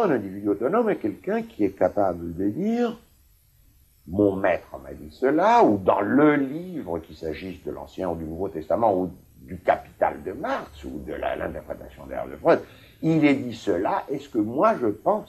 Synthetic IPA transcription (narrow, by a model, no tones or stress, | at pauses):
ɛ̃nɛ̃d̪ivid̪yot̪ɔnɔmɛkʲɛlkɛ̃kʰʲiɛkapabləd̪əd̪iːʁ | mɔ̃mɛt̪χəma̰d̪isəlaud̪ɑ̰̃ləlivʁəkʲisaʒisd̪əlɑ̰̃sjɛ̃ud̪ynuvot̪ɛst̪amɑ̃u | d̪ykapi̥t̪a̰ld̪əmaʁksud̪ə̰la̰lɛ̰̃t̪ɛʁpχet̪asjɔ̃d̪ɛ̰ʁd̪ə̰fʁœd̪ | ilɛd̪isəlaʔɛskəmwaʒəpɑ̃s